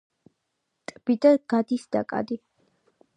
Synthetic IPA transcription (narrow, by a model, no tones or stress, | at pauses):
t̪ʼb̥id̪ɐɡ̥ad̪isd̪a̰kʼa̰d̪i